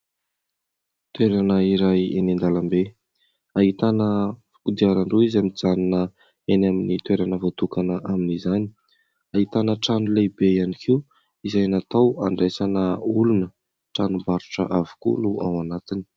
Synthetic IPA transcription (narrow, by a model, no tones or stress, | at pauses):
t̪weɾanəiɾajenind̪alambe | aɦit̪anəfi̥kud̪iaɾaɳɖ͡ʐeizamid͡zannə | enaminit̪weɾanəvot̪ukanəʔaminizani | aɦit̪anəʈ͡ʂanulebejanikʰiw | izajanat̪awaɳɖ͡ʐesanəulunə | ʈ͡ʂanumbaɾuʈ͡ʂə̰ʔavu̥kṵnuawanat̪ini̥